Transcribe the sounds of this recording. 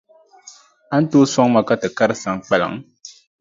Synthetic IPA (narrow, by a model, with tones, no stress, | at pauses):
a˦n̩˦to˦sa˦ŋma˨ka˦tɨ˨ka˦ɾɨ˦sa˨ŋk͡pɛ˨la̰˨ŋ